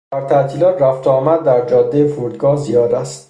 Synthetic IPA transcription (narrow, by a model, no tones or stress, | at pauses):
d̪æɾt̪ʰæt̪ʰiːlɒːt̪ʰræft̪ʰɒːmæd̪ːæɾd͡ʒɒːd̪ːejefuɾd̪ɡɒːhzijɒːd̪æst̪